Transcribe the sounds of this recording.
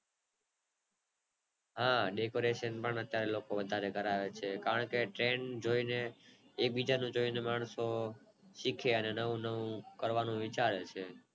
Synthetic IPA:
ɦãɖekoɾeʃənpəɳət̪jaɾelokoʋəd̪ʱaɾeɡəɾaʋet͡ʃʰekaɾəɳkeʈɾeɳd͡ʒoineː | k̚bid͡ʒanũd͡ʒoinemaɳso | ʃikʰeənenəʋũnəʋũkəɾʋanũʋɪt͡ʃaɾet͡ʃʰe

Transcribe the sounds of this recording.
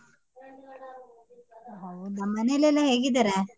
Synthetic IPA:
ɦod̪ɐmːɐnelɛlːɐɦeːɡid̪aɾe

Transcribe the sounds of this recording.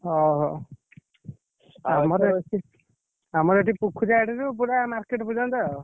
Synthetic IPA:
ɔɦɔ | amɔɾeei | amɔɾeʈipukʰud͡ʒaeʈiɾupuɽamaɾkeʈbud͡ʒand̪ɔ

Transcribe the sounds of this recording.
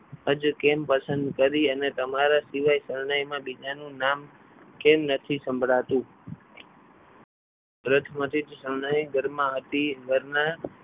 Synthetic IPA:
əd͡ʒkempəsənd̪kəɾiənet̪əmaɾasiʋajsəɾnajmãbid͡ʒanũnam | kemnət̪ʰisə̃mbʱɽat̪ũ | bɾət̪ʰmə̃t̪ʰid͡ʒsəɾɳajɡəɾmãət̪iɡəɾna

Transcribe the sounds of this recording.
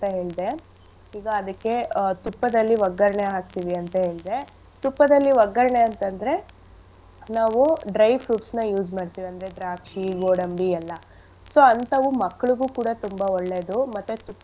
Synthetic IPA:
t̪ɐɦe̞ːɭd̪e̞ | iːɡɐːd̪ɐkːe̞t̪upːɐd̪ɐlːiʋɐɡɐɾɐɳeɦaːk̚t̪iʋiɐnt̪ɐɦe̞ːɭd̪e̞ | t̪upːɐd̪ɐlːiʋɐɡɐɾɐɳeɐnt̪ɐnd̪ɐɾe̞ | naːʋuɖɾɐjfʰɾuːʈsnɐjuːd͡ʒmaːɽt̪iːʋiɐnd̪ɐɾed̪ɾaːkʂiɡoːɽɐmbiɛlːɐ | so̞ɐnt̪ɐʋumɐkːɐɭuɡuːkuːɽɐt̪umbɐɔɭːe̞ːd̪umɐt̪ːut̪u

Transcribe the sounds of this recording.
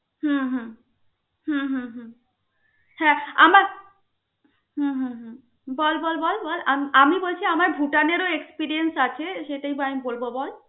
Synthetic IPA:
ɦũɦũ | ɦũɦũɦũ | hɛ̃a̰maɾ | ɦũɦũɦũ | bɔlbɔlbɔlbɔlamiamibolt͡ɕʰiamaɾbʱuʈaneɾoekspiɾiensat͡ɕʰeʃeʈajbamibolbobɔl

